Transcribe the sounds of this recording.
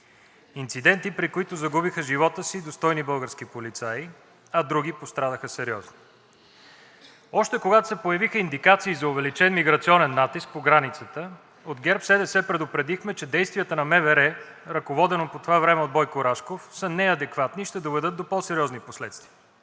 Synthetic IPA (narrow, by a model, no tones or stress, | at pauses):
int̪sid̪ɛnt̪ipɾikoit̪ʊzɐɡubixəʒivɔt̪əsid̪ost̪ɔjnibɤlˠɡəɾsk̟ipolit̪saji | ɐd̪ɾuɡ̟ipost̪ɾanəxəsɛɾiɔzni | ɔʃt̪ɛkoɡat̪o̥sɛpojɐvixəind̪ikat̪siːzɐʊvɛlit͡ʃɛnmiɡɾɐt̪siɔnɛnːat̪isk̚poɡɾanit̪sət̪ə | od̪ɡʲɛɾpsɛd̪ɛsɛpɾɛd̪opɾɛd̪ixmɛt͡ʃɛd̪ɛjst̪vijət̪ənɐmɛvɛɾɛ | ɾɐkovɔd̪ɛnopot̪ovavɾɛmɛod̪̚bɔjkoɾaʃkofsənɛɐd̪ɛkvat̪niʃt̪ɛd̪ovɛd̪ɤt̪̚d̪opɔsɛɾʲiɔzniposlɛt̪st̪viə